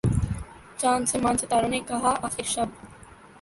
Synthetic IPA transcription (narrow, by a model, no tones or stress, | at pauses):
t͡ɕant͡ɕʰemand͡ʑʰet̪aɾonekaɦaʔaxʰeɾʃab̚ʱ